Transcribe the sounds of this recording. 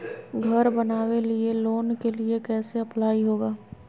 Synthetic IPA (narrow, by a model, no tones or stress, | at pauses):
ɡʱɐɾbɐnaːwelieloːnkeliekɛːseɐplaːiɦoːɡaː